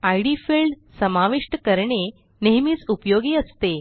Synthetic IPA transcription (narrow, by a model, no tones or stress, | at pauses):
ajɽifilɖ | səmaʋiʂʈəkəɾɳe | neɦmiːt͡supjoɡiːəst̪e